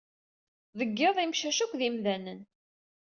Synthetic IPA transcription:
ðəɡːeðˤimʃæʃækʷːðimðænən

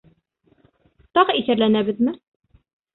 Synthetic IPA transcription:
t̪ɑʁiθæɾlænæbɘðmɘ

